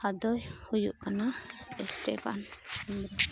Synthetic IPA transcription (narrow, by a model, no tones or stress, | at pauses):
had̪ɔjhujṵʔkanaɛsʈɛ̰pʰa̰nimɾɔ